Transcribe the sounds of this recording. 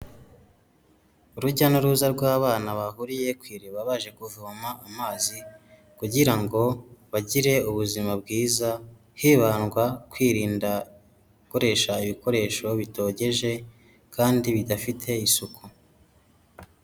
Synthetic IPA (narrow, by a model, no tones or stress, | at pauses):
uɾuɟanuɾuːzaɾɡwaːβaːnaβahuɾije̞kwiːɾeβaβaʒe̞kuvumaːmaːzi | kuɟiɾaŋɡo̞βaɟiɾe̞uβuzimabɡiːza | hiːβanɡwakwiːɾiːnda | koɾe̞ʃaiβiko̞ɾe̞ʃo̞βito̞ɟe̞ʒe̞ | kʰaːndiβidafitʰe̞isukʰu